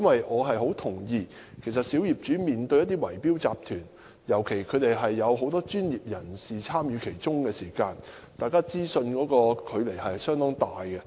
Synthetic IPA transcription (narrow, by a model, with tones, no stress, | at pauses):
jɐ˥nwɐ˨jʔɔː˨˧ɦɐ˨jɦo˨˥wt̪ʰʊ˨˩ŋjiː˧ | kʰe˨˩js̬ɐ˨t̚siː˨˥wji˨p̚t͡ʃyː˨˥miː˨nt̪ɵ˧ɥjɐ˥t̪̬i˥wɐ˨˩jpiː˥wt͡sa̰ː˨p̚t̪ʰyː˨˩n | jɐ˨˩wkʰe˨˩jkʰɵ˨˧ɥt̪e˨jɦɐ˨jːɐ˨˧wɦo˨˥wt̪ɔː˥t͡ʃyː˥njiː˨p̚jɐ˨˩nsiː˨t͡sʰaː˥mjyː˨˧kʰe˨˩jt͡sʊ˥ŋkɛː˧siː˨˩kaː˧n | t̪aː˨jkaː˥t͡siː˥sɵ˧nkɔː˨˥kɔː˧kʰɵ˨˧ɥle˨˩jhɐ˨jsœː˥ŋt̪ɔː˥ŋt̪aː˨jkɛ˧